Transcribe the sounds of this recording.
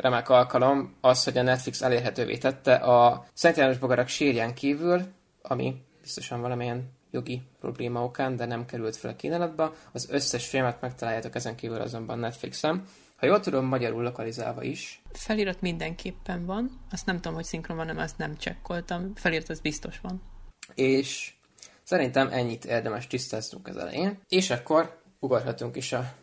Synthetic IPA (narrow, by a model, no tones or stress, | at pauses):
rɛmɛkɒlkɒlo̞mɒsho̞ɟɒnɛt̪fliksɛleːrɦɛt̪øːvḛːt̪ɛt̪ːɛʔɒsɛnt̪jaːnoʒbo̞ɡɒɾɒkʃeːrjɛŋkiːvyl | ɒmḭ | b̥ist̪o̞ʃɒɱvɒlɒmijɛn | jo̞ɡipro̞̰bleːmɒo̞kaːnd̪ɛnɛmkɛɾylt̪fɛlɒkiːnalɒd̪bɛɒzøsːɛʃfilmɛt̪mɛk̚t̪ɒlaːjːaːt̪o̞kɛzɛŋkiːvylɒ̰zo̞mbɒ̰nːɛt̪flḭksɛn | hɒjoːlt̪ud̪o̞mːɒɟɒɾulːo̞kɒliza̰ːvɒ̰ʔiʃfɛliːɾɒt̪mind̪ɛŋkʰeːpːɛɱvɒnɒst̪nɛmt̪uomhocsiŋkromvɒnɛmɒst̪nɛmt͡ʃɛ̰kːo̞lt̪ɒmfɛliːɾt̪ɒzbist̪o̞ʃʋɒneːʃ | sɛɾint̪ɛmʔɛɲːit̪ʰeːrd̪ɛmɛʃt̪ist̪aːzt̪uŋkɛ̰zɒ̰lɛ̰jeneːʃɒkːo̞r | uɡɒrɦɒt̪uŋkeːʃɒ